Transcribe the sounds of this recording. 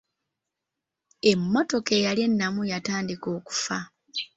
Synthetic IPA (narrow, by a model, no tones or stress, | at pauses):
e̞mːo̞to̞kejalje̞nːamujataːndiko̞ːku̥fa